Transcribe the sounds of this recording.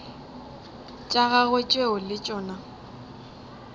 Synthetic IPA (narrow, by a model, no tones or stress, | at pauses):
t͡ʃʼaɣaɣet͡ʃʼweʊlɪt͡ʃʼɔːna